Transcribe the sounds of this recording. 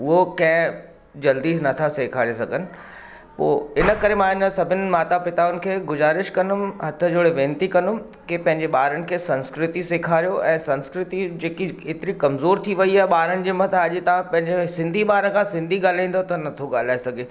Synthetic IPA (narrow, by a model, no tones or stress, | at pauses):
ʊɦokɐ̃ɦɪ̃ | d͡ʑɐld̪iːsnɐt̪ʰaseːkʰaːɾesɐɡʱənɪ̆ | po̰ːɪnə̆kɐɾemãɪnəsɐbʱɪnɪ̆maːt̪apɪt̪aʊnɪ̆kʰeːɡʊzaːɾɪʃkɐnʊmɦɐt̪ʰə̆d͡ʑoɽeʋẽːnt̪ikɐ̃nʊm | kipɐ̃ɦɪ̃ɲd͡ʑeɓaːɾənɪ̆kʰeːsɐ̃nskɾɪt̪iseːkʰaːɾijoʔɛ̃ːsɐ̃nskɾɪt̪id͡ʑeːkieːt̪ɪɾikɐmzoːɾt̪ʰiʋɐiaːɦɪɓaːɾənɪ̆d͡ʑeːmɐ̃t̪ʰaɐʄɪt̪ɐʋãpɐ̃ɦɪ̃ɲd͡ʑesɪ̃nd̪ʱiɓaːɾəkʰãsɪ̃nd̪ʱiɠaːl̤aĩːn̆d̪ot̪ɐnɐt̪ʰoɠaːl̤aːesɐɡʱe